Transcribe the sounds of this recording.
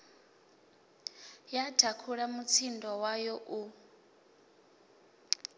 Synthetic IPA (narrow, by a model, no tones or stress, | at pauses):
jadʰakʰuɺamut͡sʰindɔwajɔʔu